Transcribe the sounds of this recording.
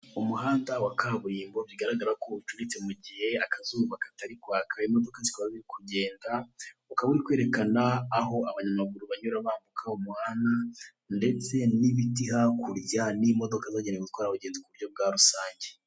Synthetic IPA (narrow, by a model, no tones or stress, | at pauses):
umuɦaːndawakʰaβuɾiːmbo̞βjiɡaɾaɡaɾakout͡ʃuɾit͡semuɟihe̞akazuːβakḁtaɾikwaːkʰaimo̞do̞kazi̥kaβaβiɾikʰuɟe̞ːndaukaβuɾikweɾe̞kanaːɦo̞aβaɲamaɡuɾuβaɲuɾaβaːmbukʰaumuhaːnda | nde̞t͡se̞niβitiɦakʰuɾjanimo̞do̞kazaːɟendeɡutwaːɾaβuɟeːndokuβuɾɟo̞b̚ɡaːɾusaːɲɟe